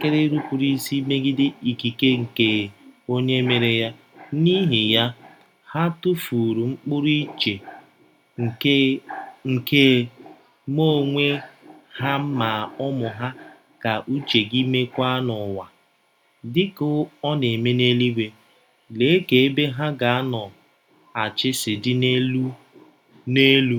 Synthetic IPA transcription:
ke˦ɾe˦ɾu˦kʷu˨ɾi˦si˦me˦ɡɪ˦dɪ˦i˨ki˨ke˦ŋ̩˨ke˨o˦ɲe˦me˨ɾe˨ja˦ | ni˦ɦi˨ja˦ | ha˦tʊ˦fu˨ɾu˨ŋ͡m̩˦k͡pʊ˦ɾi˦t͡ʃe˨ | ŋ̩˨ke˦ŋ̩˨ke˦ | mo˦˨ŋʷe˦ha˦m̩˦ma˨ɔ˦mʊ˨ɦa˦ | ka˨ʔu˦t͡ʃe˨ɡi˦me˦kʷa˦a˦nɔ˨wa˨ | dɪ˦kʊ˦ɔ˦ne˨me˦ne˦li˦ɡʷe˨ | le˨˦ke˨e˦be˦ɦa˦ɡa˨a˦nɔ˨ | a˨t͡ʃɪ˦sɪ˨dɪ˦ne˦lu˦ | ne˦lu˦

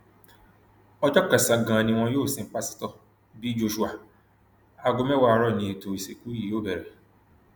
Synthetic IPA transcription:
ɔ˦d͡ʒɔ˦kɛ˨sã˨ɡã˨nĩ˧w̃ɔ̃˧joː˦˨sĩ˨˦k͡pa˦si̥˦tɔ˧ | bi˦d͡ʒo˧ʃu˦a˧ | a˨ɡo˨˧mɛ̃˦wa˦˨˧ɾɔ˦˨nĩ˨˧e˨to˨i˨se˨ku˨˦ji˦˨joː˦bɛ˨ɾɛ˨

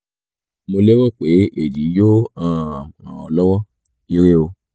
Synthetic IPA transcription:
mo˧le˦wɔ˦˨k͡pe˨˦ʔe˨di˨˦jo˦ã˦˨ɔ˨lɔ˦wɔ˦ | i˧ɾe˦o˧

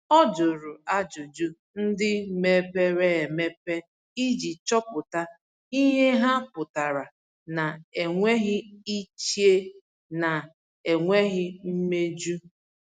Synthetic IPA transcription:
ɔ˦d͡ʒʊ˨ɾʊ˨a˦d͡ʒʊ˨d͡ʒu˦ | n̩˦dɪ˦me˦pe˦ɾe˦e˨me˦pe˦ | i˦d͡ʒi˨t͡ʃɔ˦pʊ˨ta˦ | i˦ɲe˦ɦa˦pʊ˨ta˨ɾa˨ | na˨e˨ŋʷe˦ɣɪ˦i˦t͡ʃi˦e˦ | na˨ | e˨ŋʷe˦ɣɪ˦m̩˦me˦d͡ʒu˦

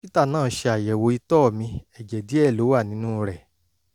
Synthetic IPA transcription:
pi˦ta˦˨nãː˦˨˦ʃe˧a˨jɛ˨wo˧˦i˧tɔː˦˨mĩ˧ɛ˨d͡ʒɛ˨di˨˦ɛ˦˨lo˨˦wa˦˨nĩ˨˦nũ˦ɾɛ˨

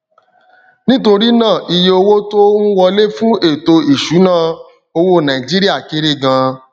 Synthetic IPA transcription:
nĩ˦to˧ɾi˦nãː˦˨ʔi˧je˧o˧wo˦to˦nũ˦wɔ˧le˦fũ˦e˦˨to˧i˨ʃu˨˦nã˦˨ | o˧wo˦˨nã˨i˨d͡ʒi˦ɾi˦a˦˨ke˨˦ɾe˦˨ɡã˧

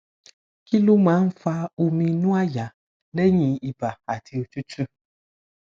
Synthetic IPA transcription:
ki˦lu˦mã˨˦n̩˦fa˧o˨˧mĩ˧nũ˦a˦ja˨ | le˦ɲĩ˨i˨ba˨a˨tʰi˨o˨t͡ʃu˦t͡ʃu˦

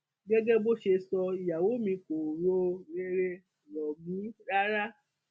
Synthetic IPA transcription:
ɡɛ˦ɡɛ˦bo˦ʃe˧sɔ˧i˨ja˨wo˨˦mĩ˧ko˨ɾo˧ɾe˧ɾe˧˨ | lɔ˨mĩ˨˦ɾa˦ɾa˦

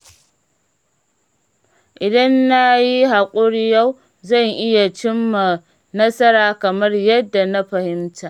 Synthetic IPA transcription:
ʔɪ˨dɐ˦nːa˦ji˦ɦa˨kʷʼʊ˦ɾja˦w | zɐ˦˨ŋʔɪ˦ja˨t͡ʃɪ˦mːa˨ | nɐ˦sɐ˦ɾaː˦kɐ˨mɐ˦rjɐ˦dːa˨na˦ɸɐ˨hɪ˦mtaː˨

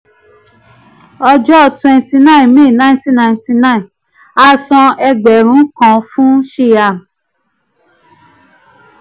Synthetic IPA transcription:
ɔ˧d͡ʒɔ˦˨twɛ̃˧nti˧nã˦˨ĩ˨mĩ˦˨nã˦ĩ˦tĩ˦nã˧ĩ˨ti˧nã˦ĩ˨ | a˦sɔ̃˧ɛ˧ɡ͡bɛ˨ɾ̃ũ˨˦kã˧fũ˦ʃe˦˨ja˨m

